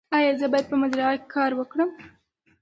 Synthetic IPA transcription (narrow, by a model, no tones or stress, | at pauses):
ɑjɑzəbɑjad̪̚pəmazɾaake̥kʰɑɾwəkɽəm